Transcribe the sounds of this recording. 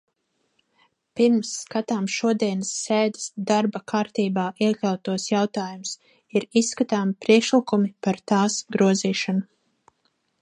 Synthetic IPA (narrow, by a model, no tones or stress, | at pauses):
piɾmsːkat̪aːmʃuɔd̪iɛnsːeːd̪ə̥sd̪aɾbakʰaːɾt̪iːbaːʔiɛkʲlʲawt̪uɔsjawt̪aːjums | iɾisːkat̪aːmipɾiɛkʃlikumipaɾt̪aːsɡɾuɔziːʃɔnu